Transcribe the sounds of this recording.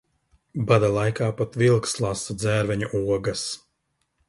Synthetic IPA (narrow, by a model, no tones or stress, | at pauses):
bad̪alˠajkaːpat̪vilˠkslˠasad̪zæːɾvɛɲuʔuɔɡɐs